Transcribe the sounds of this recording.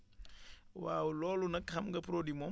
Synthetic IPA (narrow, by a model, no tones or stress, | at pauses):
wa̰ːwulɔːlunɐkhɐmɡɐpɾoːdimɔ